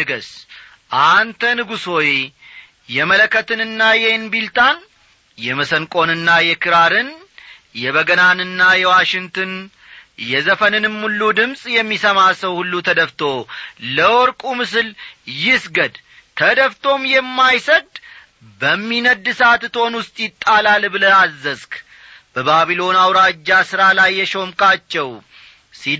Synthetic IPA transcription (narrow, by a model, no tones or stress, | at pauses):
ɨɡəs | ʔant̪ʰənɨɡuso̞je | jɛmələkʰːət̪ɨnɨnːajɛnbilt̪ʰʼan | jɛməsənkʼo̞nɨnːajɛkʰɨɾaɾɨn | jɛβəɡənanɨnːajɛwaʃɪŋt̪ʰɨn | jɛzəfənɨnɨmːulːud̪ɨmsʼjɛmːisəmasəwhulːut̪ʰəd̪əft̪ʰo̞ləwɔɾkʼumɨsɨljɪsɡəd̪ | t̪ʰəd̪əft̪ʰo̞mjɛmːajsəd̪ | bəmːinəd̪ɨsat̪t̪ʰonwʊst̪ʼjɪt̪ʼːalalbɨləazːəzk | b̥əbaβilo̞nawɾad͡ʒːasɨɾalajːɛʃo̞mkʼat͡ʃːɛw | si